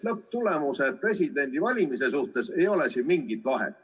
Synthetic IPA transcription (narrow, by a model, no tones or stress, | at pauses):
lɤp̚t̪ule̞muse̞̥pre̞sʲid̪e̞nʲd̪̥ivɑlʲimise̞suht̪e̞se̞jo̞le̞sinmiŋɡit̪ːˑvɑɦḛt̪